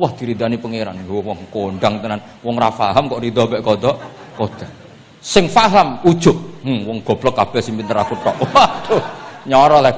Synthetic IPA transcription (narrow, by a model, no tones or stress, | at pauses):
wɔhd̪̥i̤ɾid̪anipəŋeɾa̰nwɔŋkoɳɖaŋt̪ənan | wɔŋrafaɦamkɔʔrid̪ɔbɛʔkɔd̪ɔʔ | kod̪̥ḁ | sɪŋfaɦamud̥ʒ̥ʊʔh̩wɔŋɡ̥ɔ̤b̥lɔkːab̥ɛhsiŋpint̪əɾakuʈɔʔat̪uɲɔɾɔlɛ